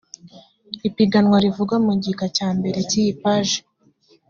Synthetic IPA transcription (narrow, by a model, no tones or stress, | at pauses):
ipiɡanŋwaɾivuɡamuɟikacaːmbe̞ɾe̞cijipaʒe̥